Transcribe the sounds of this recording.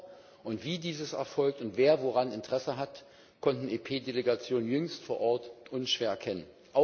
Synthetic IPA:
ʔʊntv̥iːdiːzəsɛ̰ɐfɔlk̚tʊntv̥eːɐvoʁanɪntəʁ̥ɛsəɦat | kʰɔntn̩eːpʰeːdeleɡat͡sjoːnənjʏŋstfoːɐʔɔɐtʔʊnʃv̥eːɐkʰɛnən | ʔaʊ

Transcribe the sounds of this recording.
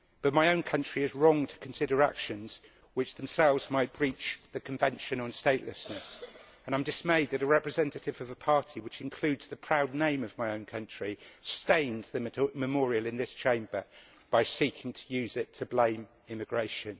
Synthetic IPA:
b̥ʌt̚maɪõʊ̃nkʰʌ̃nt͡ʃɹ̥iɪzɹɔ̃ŋtʰə̥kʰə̃n̩sɪɾə˞a̰kʃɨ̃nz̥ | wɨt͡ʃð̃m̩sɛlˠvzmaɪʔ̚b̥ɹiˑt͡ʃðɨkʰə̃ɱvɛ̃nʃɨ̃nə̃nsteɪʔˡlɨsnəs | ə̃ñãɪ̃mdɨsmeɪd̪̚ðɨɾəɹɛpɹɨzɛ̃ntɨtɪvʌvəpʰɑɹɾʰiwɨt͡ʃɨ̃nkʰl̥ʉːdz̥ðɨpʰɹ̥aʊdⁿnẽɪ̃mʌvmaɪə̃ʊ̃nkʰʌ̃nt͡ʃɹ̥istẽɪ̃nðɨmməmɔɹiəlˠɨ̃nðɪst͡ʃʰẽɪ̃mbə˞ | b̥aɪsiˑkʰɪ̃ŋtʰə̥jʉzɪtʰəblẽɪ̃m | ɪmɨɡɹeɪʃɨ̃n

